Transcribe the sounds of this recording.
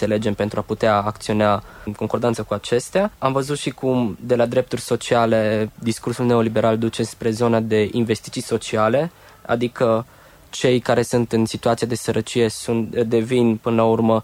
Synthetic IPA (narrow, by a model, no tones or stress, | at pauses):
ele̞d͡ʒe̞mpe̞nt̪ɾuaput̪eaːk̚t̪sio̞nankoŋko̞rd̪ant̪səkuat͡ʃe̞st̪eaamvəzut̪ʃikʰumd̪e̞lad̪ɾe̞p̚t̪urʲso̞t͡ʃiale̞d̪iskursulne̞o̞libe̞ɾald̪ut͡ʃe̞spɾe̞zo̞nad̪e̞ʔinve̞st̪it̪sijso̞t͡ʃiale̞ | a̰d̪ikə | t͡ʃe̞jkaɾe̞sunt̪ɨnsit̪uat̪sijad̪e̞səɾʔət͡ʃije̞sunt̪d̪e̞vinpɨnəlaurmə